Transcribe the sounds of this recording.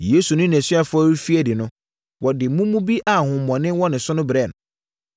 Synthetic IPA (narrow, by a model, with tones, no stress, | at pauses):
je˦su˨nʊ̃˦ñ˨sɥa˨fʊ˦ɔ˦ɾu˦fi˦ɛ˨dɪ˨nʊ̃˦ | wɔ˨dɪ˨mũ˦mũ˦bi˦ʔa˨hʊ̃˨mːɔ̃˨nɪ̃˦nwɔ˦nɪ̃˨sʊ˦nʊ̃˦bɾɛ˦˨n˨